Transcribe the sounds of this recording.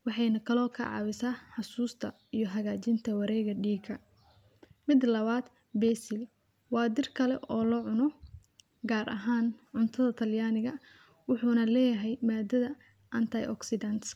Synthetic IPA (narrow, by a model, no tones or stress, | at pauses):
wɑħɑjnɐkʰɐlɔːkʰɐ̰ʕɑ̰βɪsaːħɑsuːst̪ʰɐ | ijɔɦɐɣaːt͡ʃɪnt̪ʰɐwɑɾɛːɣɐɖiːɡʰɐ | mɪd̪lɐβaːd̪ | bɛːsɪl | wɑːd̪ɪrkʰɐlɛ̰ʔɔːlɔʕʊnɔ | ɡaːɾʔɐ̰ɦaːnʕʊnt̪ʰɐðɐt̪ʰɐljaːnɪɣɐ | wʊħuːnɐlɛːjɐɦɛjmaːd̪ɐðɐ | ʔɐnt̪ʰɐjʔɔ̰ksɪd̪ɐnt̪s